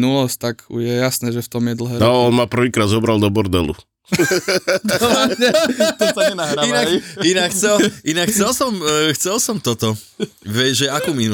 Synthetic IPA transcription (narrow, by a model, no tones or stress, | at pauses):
nulɔst̪akujɛjasnɛːʒɛft̪ɔmjɛd̪l̩ɦɛːnɔɔnmapr̩ʋiːkɾaːd̪zɔbɾald̪ɔbɔɾd̪ɛ̰lṵ | ɛ | nɦainainakxt͡sɛlinakxt͡sɛlsɔmxt͡sɛlsɔmt̪ɔt̪ɔ | ʋɛʒɛakuːminu